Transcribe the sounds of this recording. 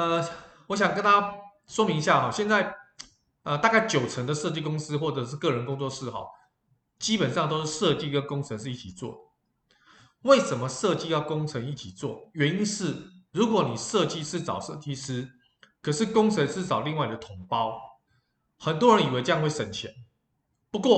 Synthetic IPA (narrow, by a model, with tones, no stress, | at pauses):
ə˧ | wɔ˧˥ɕ̬jɑ˨ŋk̬ə˥nt̪ʰa˥ | swɔ˥mi˧˦ŋi˧ɕja˥˩xɔ˨˩ɕjɛ˥˧nt͡sa˥˧ɪ | ə˧t̪a˥˧ka˥˩ɪt͡ɕjo˨˩ʊt͡sʰə˧˥ŋd̪ə˨ʂɤ˥˧t͡ɕi˥˩kʊ˥ŋs̩˦˥xwɔ˥˩ʈ͡ʂɤ˨˦ʂ̬ɻ̩˥˧kɤ˥˩ɻə˧˥nkʊ˥ŋt͡swɔ˥˧ʂɻ̩˥˩xɑ̰˨˩˦ʊ | t͡ɕi˥pə˨˩nʂɑ˥˨˧ŋt̪̬o˥ʊʂ̩˥˧ʂɤ˥˧t͡ɕi˥˧kə˦nkʊ˥ŋt͡sʰə˧˦nʂ̬̩˥˧i˥˩t͡ɕʰi˨˩t͡swɔ̰˥˩d̪ə˩ | we˥˩ɪʂə˧˥nmə˨ʂɤ˥˧t͡ɕi˥jɑ˥˩ʊkʊ˥ŋt͡sʰə˧˥ŋi˥˩t͡ɕʰi˨˩t͡swɔ̰˥˩ɥɛ˨˧˦ni˥nʂɻ̩˥˩ɻu˨˥kwɔ˧˦ni˨˩ʂɤ˥˧t͡ɕi˥˧ʂɻ̩˥˩t͡sɑ̰˨˩ʊʂɤ˥˧t͡ɕi˥˧s̩˥ | kʰə˨˩ʂɻ̩˥˨kʊ˥ŋt͡sʰə˧˦nʂɻ̩˥t͡sɑ˨˩ʊli˥˧ŋwa˥˩i˨˩d̪ə˩t̪ʰʊ˨˧˥ŋpɑ˦ʊ | xə˨˩nt̪wɔ˥ɻə˧˦ni˨˩we˧˥ɪʈ͡ʂjɑ˥˧ŋwe˥˩ɪʂə˨˩nt͡ɕʰjɛ˧˦n | pu˧˦kwɔ˥˩